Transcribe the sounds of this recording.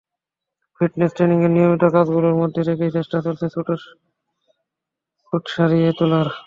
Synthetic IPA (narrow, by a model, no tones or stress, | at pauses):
fʰiʈnesʈɾeniŋeɾnijomit̪okad͡ʑɡuloɾmod̪ʱːeɾekejt͡ɕeʃʈat͡ɕoltʰesuʈeɾ | suʈʃaɾiet̪ulaɾ